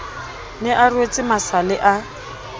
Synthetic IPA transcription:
nɪʔarwet͡sʼɪmasalɪʔa

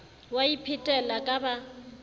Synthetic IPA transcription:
waipʰɪtʼɛlakʼaba

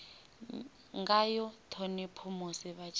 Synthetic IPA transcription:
ŋɡajɔtʰɔnipʰɔmɔsiβat͡ʃʰ

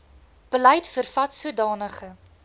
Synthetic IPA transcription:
b̥əlɛjtfərfɐtsuədɑːnəχə

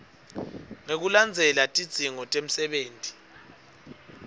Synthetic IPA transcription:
ŋek̬uland͡zʱɛlatʼid̥z̥ʱiŋɔtʼem̩sɛɓeːntʼi̥

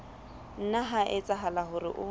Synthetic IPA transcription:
n̩naɦaʔɪt͡sʼaɦalaɦʊrɪ̰ʔʊ

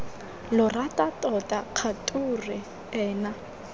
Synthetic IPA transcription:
lʊratʼatʼɔtʼaq͡χʰatʼurɪ | ɛːna

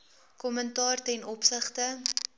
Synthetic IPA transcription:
kɔməntɑːrtɛnɔpsəχtə

